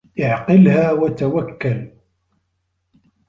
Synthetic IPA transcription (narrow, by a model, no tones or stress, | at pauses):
ʔɪʕqɪlhaːwat̪awakːal